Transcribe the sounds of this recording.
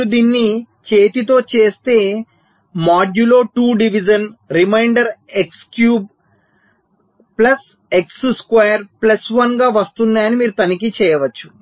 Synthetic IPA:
ud̪iːnːi | t͡ʃeːt̪it̪̬o̞ːt͡ʃe̞ːst̪e̞ː | maːd͡ʒulo̞ːʈuːɖiʋid͡ʒɐnɾimɐjɳɖɐɾekskjuːb̚ | plɐs | eksuskʋɐːjɐɾplɐsʋɐnɡaːʋɐst̪und̪aːɐnimiːɾut̪ɐnikit͡ʃɛːjɐʋɐt͡ʃːu̥

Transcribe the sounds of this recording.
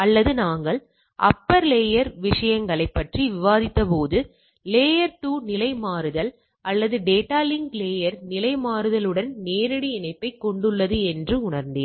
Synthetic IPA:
ɐlːɐðɯnaːŋɡɐɭ | ʔɐ̰pːɐɾleːjɐɾʋɪʂɐjɐŋɡɐɭɐɪpːɐʈriʋɪʋaːðɪt̪ːɐpoːðɯ | leːjɐɾʈuːnɪlɐɪmaːɾɯðɐl | ʔɐlːɐðɯɖeːʈːaːlɪŋɡleːjɐɾnɪlɐɪmaːɾɯðɐlɯɽɐnneːɾɐɽiɪnɐɪpːɐɪkːɔɳɖɯɭːɐðɯɛndrɯʊɳɐɾnd̪eːn

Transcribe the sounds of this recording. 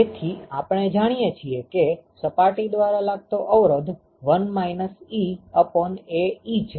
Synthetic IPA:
et̪ʰiapɽ̃ed͡ʒaɽ̃ijet͡ʃʰiekesəpaʈid̪ʋaɾalaɡ̚t̪oʔəʋɾəd̪ʱ | ʋənmainəsiəpɔneit͡ʃʰ

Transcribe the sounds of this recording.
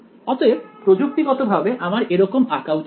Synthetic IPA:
ɔt̪oebpɾod͡ʒuk̚t̪iɡɔt̪obʱabeʔamaɾeɾɔkomakawt

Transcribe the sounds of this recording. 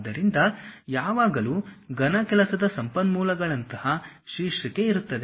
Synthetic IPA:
d̪ɐɾind̪ɐjaːʋaːɡɐluːɡɐnɐkɛlɐsɐd̪ɐsɐmpɐnmuːlɐɡɐɭɐnt̪ɐhɐʃiːʂɐke̞iɾut̪ːɐd̪e

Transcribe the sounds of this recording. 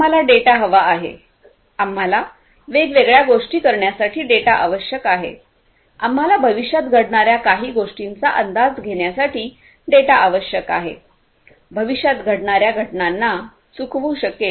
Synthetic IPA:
alaɖeʈaɦəʋaːɦḛ | am̤ːala | ʋeɡʋeɡɭjaɡoʂʈiːkəɾɳjasaʈʰiːɖeʈaʔaʋəɕjəkaɦḛ | am̤ːalabʱəʋiɕjat̪ɡʱəɽɳaɾjakaɦiːɡoʂʈint͡saʔənd̪ad͡zɡʱeɳjasaʈiː | ɖeʈaʔaʋəɕjəkaɦḛ | bʱəʋiɕjat̪ɡʱəɽɳaɾjaɡʱəʈɳanːa | sukʰʋuːɕəkːe

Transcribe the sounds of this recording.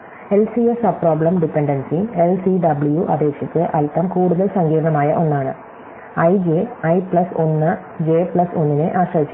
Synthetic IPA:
e̞lsiesɐbproːbɭɐmɖipːeɳɖɐnsielsiɖɐbɭjuʔɐ̰d̪e̞ːkʂit͡ɕːɨʔɐlit̪ːɐmkuːɽuðɐɭsɐŋɡiːɾɳɐmaːjɐ̰ʔo̞nːaːɳɨ | ɐjd͡ʑeɐjpɭɐso̞nːɨ | d͡ʑeːplɐso̞nːineʔaːɕrɐʋit͡ɕːu

